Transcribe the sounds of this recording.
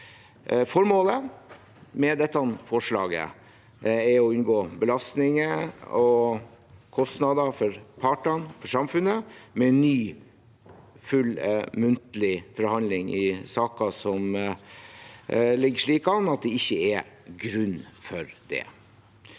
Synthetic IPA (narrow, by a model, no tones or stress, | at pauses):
fɔɾmoːlə | mɛd̪ɛt̪ːɑnfɔʂɭɑ̰ːɡə̰ | ɛɾɔʉnɡoːbəlɑst̪nɪŋəɔ | kʰɔst̪nɑd̪ɑfɔɾpʰɑʈəɳfɔʂɑmfʉnəmɛnːyː | fʉlmʉnt̪əlɪfɔɾhɑnd̪lɪŋɪ̰sɑːkɑsɔm | lɪɡːəʂɭiːkɑnɑt̪̚d̪ɛɪçːəɛ | ɡɾʉnːfɔɾd̪̥ɛ̰